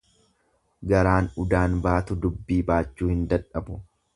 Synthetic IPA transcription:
ɡɐɾaːnʊd̪aːnbaːt̪ʊd̪ʊbːiːbaːt͡ʃːuːhɪnd̪ɐᶑɐbʊ

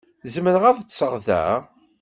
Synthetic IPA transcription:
zməɾʁæðt͡sːsəʁðæ̰

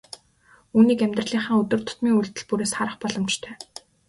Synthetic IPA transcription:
uːniːkæmʲt̪rə̆ɮiːŋχə̆ːŋɵt̪ɵ̆rt̪ʰʊ̥t̪miːŋuɮt̪ɘ̆ɮpuɾeːsχaɾə̆χpɔɮɞ̆mt͡ɕt̪ʰœ̥ː

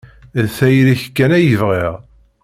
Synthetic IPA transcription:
ðθæjɾiçkːænæjəvʁiʁ

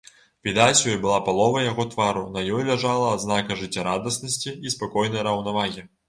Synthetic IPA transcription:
vʲid̪at͡sʲjɔjbɨlˠapalˠɔvɐjaɣɔt̪vaɾunɐjɔjlʲaʐalˠɐːd̪znakɐʐɨt͡sʲːɐɾad̪ɐsnɐsʲt͡sʲiispakɔjnɐjɾɐwnavaɣʲi

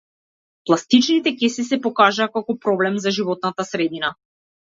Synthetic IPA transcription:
plˠast̪it͡ʃnit̪ɛkɛsisɛpɔkaʒaːkakɔpɾɔblɛmzaʒivɔt̪̚nat̪asɾɛd̪ina

